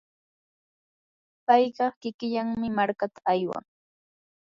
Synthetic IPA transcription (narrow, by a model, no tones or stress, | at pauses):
pɑjɢɑχkɪkɪʎaŋmɪmaɾkat̪ḁajwa̰ŋ